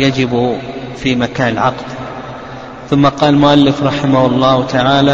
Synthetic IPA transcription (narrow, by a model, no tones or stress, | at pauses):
jad͡ʒɪbfimakaːnɪlʕɑ̰qd̪ | θʊmːaqɑːllmʊʔalːɪfɾˤɑħɪmahʊlˤːɑːt̪aʕaːla